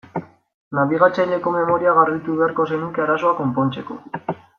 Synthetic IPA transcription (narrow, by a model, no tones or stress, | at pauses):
naβiɣ̞at͡sajʎe̞ko̞me̞mo̞ɾiaɣarðit̪uβeaɾko̞senukeaɾaso̞ako̞mpo̞nt͡se̞ko̞̰